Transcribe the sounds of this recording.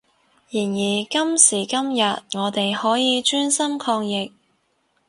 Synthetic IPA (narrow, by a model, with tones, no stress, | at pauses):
jiː˨˩njiː˨˩kɐ˥msiː˨˩kɐ˥mjɐ˨t̚ŋɔː˨˧t̪e˨jhɔː˨˥jiː˨˧t͡ʃyː˥nsɐ˥mkʰɔː˧ŋjɪ˨k̚